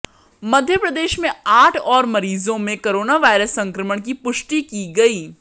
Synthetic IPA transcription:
mɐd̪ʱjəpɾɐd̪eːʃmẽaːʈʰɔːɾmɐɾiːzõmẽkoɾoːnaʋaːɪɾəsːɐ̃ŋkɾəməɽ̃k̬ipʊʃʈikiɡɐiː

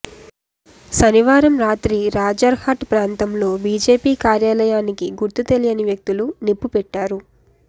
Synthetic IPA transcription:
sɐniʋaːɾɐmɾaːt̪ɾiɾaːd͡ʒɐɾhaʈpɾaːnt̪ɐmlo̞ːbiːd͡ʒe̞ːpiːkaːɾjaːlɐjaːnikiɡuɾt̪ut̪elijɐniʋjɐk̚t̪ulunipːupɛʈːaːɾu

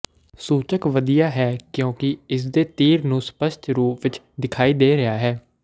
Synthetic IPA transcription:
suːt͡ʃəkʋəd̪ijaːɦɛːkjõːkɪɪs̬d̪eːt̪iːɾnũːspəʃt̪ɾuːpʋɪt͡ʃ | d̪ɪkʰaːiːd̪eːɾəaːɦɛː

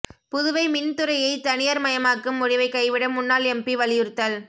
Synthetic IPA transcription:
pʊðɯʋɐɪmɪnt̪ɯɾɐjɐɪt̪ɐnɪjɐɾmɐjɐmaːkːɯmːʊɽɪʋɐɪkːɐɪʋɪɽɐmːʊnːaːlɛmbiʋɐlɪjɯɾt̪ːɐl

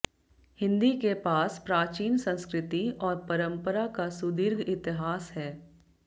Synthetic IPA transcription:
hɪ̃nd̪ikepaːspɾaːt͡ʃiːnsə̃nskɾɪt̪iɔːɾpɐɾə̃mpəɾakasʊd̪ɪɾɡʱɪt̪ɪɦaːsɦɛː

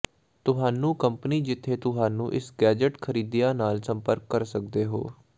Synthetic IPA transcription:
t̪ʊɦaːnũːkəmpəniːd͡ʒɪt̪ʰːeːt̪ʊɦaːnũːʔɪsɡɛːd͡ʒəʈkʰəɾiːd̪ijãːnaːlsəmpəɾkːəɾsək̚d̪eːɦo̰ː

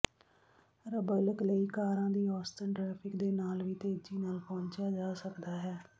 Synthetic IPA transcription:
ɾəbələkləiːkaːɾãːd̪iːɔːst̪ənʈɾɛːpʰɪkd̪eːnaːlʋiːt̪eːd͡ʒiːnaːlpɔ̃ːɲt͡ʃaːd͡ʒaːsəkd̪aːɦɛː

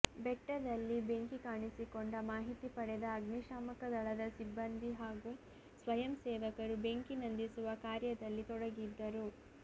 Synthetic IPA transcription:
bɛʈːɐd̪ɐlːibeŋkikaːɳisikoɳɖɐmaːɦit̪ipɐɽɛd̪ɐːɡɳiʃaːmɐkɐd̪ɐɭɐd̪ɐsibːɐnd̪ʱiɦaːɡu | sʋɐjɐmsɛːʋɐkɐɾube̞ŋkinɐnd̪isuʋɐkaːɾjɐd̪ɐlːit̪ɔɽɐɡid̪ːɐɾu

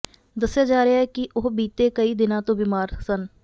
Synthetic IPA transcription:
d̪ɐsjad͡ʒaːɾəaɛkiʔoɦbiːt̪ekəid̪ɪnãt̪õbimaːɾsən

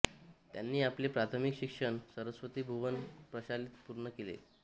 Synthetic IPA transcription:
t̪janːiːaplepɾat̪ʰəmikɕikʂəɳsəɾəsʋət̪iːbʱuʋənpɾəɕalit̪puɾɳəkelḛ

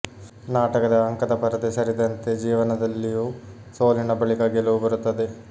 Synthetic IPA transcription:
naːʈɐkɐd̪ɐːŋkɐd̪ɐpɐɾɐd̪esɐɾid̪ɐnt̪ed͡ʒiːʋɐnɐd̪ɐlːiju | soːlinɐbɐɭikɐɡeluʋubɐɾut̪ːɐd̪e

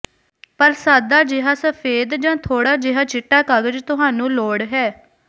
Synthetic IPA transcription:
pəɾsaːd̪aːd͡ʒɪɦaːsəpʰeːd̪d͡ʒãːt̪ʰoːɽaːd͡ʒɪɦaːt͡ʃɪʈːaːkəɡəd͡ʒt̪ʊɦaːnũːloːɽɦɛː

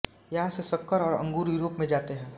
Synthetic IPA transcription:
jɐɦãsesɐkːəɾɔːɾɐ̰̃ŋɡuːɾjuːɾoːpmẽd͡ʒaːt̪eɦɛ̃ː

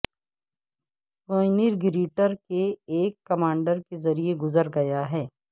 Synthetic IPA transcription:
oːniɾɡɪɾiːʈəɾkeːkːɐmãːɳɖəɾkezɐɾieɡʊzəɾɡɐjaɦɛː

